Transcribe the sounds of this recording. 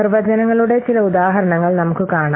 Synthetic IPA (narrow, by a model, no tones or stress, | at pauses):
rɨʋɐd͡ʑɐnɐŋːɐɭuɽe̞t͡ɕilɐud̪aːɦɐɾɐɳɐŋːɐɭnɐmukːɨkaːɳa